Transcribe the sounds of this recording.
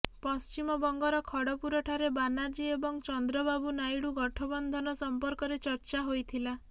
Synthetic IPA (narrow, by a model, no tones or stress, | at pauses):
pɔst͡ʃimɔbɔŋɡɔɾɔkʰɔɽɔpuɾɔʈʰaɾebanaɾd͡ʒiebɔŋt͡ʃɔnd̪ɾɔbabunajɽuɡɔʈʰɔbɔnd̪ʱɔnɔsɔmpɔɾkɔɾet͡ʃɔɾt͡ʃaɦojt̪ʰila